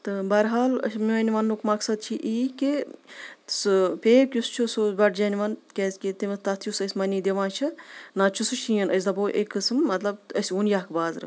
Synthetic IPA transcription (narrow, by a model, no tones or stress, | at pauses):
t̪ɨbɐɾɦaːlɐ̰sʲmɐnʲʋɐnːukmɐksɐd̪̚t͡ʃʰiʔiːki | sɨpeːkʲjust͡ʃʰusobɐʈd͡ʒɐniʋɐnkʲezkit̪imɐt̪ɐt̪ʰjusɐsʲmɐnid̪eʋãːt͡ʃʰinaːt͡ʃʰusuʃʰijɐnɐsʲd̪ɐboːʔekːɨsmːɐt̪lɐb̪̚əsʲunjaːkbaːzɾɨ̰